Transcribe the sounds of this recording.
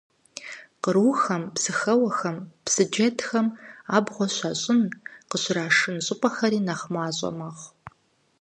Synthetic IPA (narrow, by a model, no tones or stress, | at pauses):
qəɾuxɐmpsɨxɐwɐxɐmpsɨd͡ʒɐtʰxɐmaːbʁʷɔɕʷɐɕʼɪnqəɕraːʂɨnɕʼɪpʷʼɐxɐɾiːnɐχmaːɕʼɐ̰mɐʁ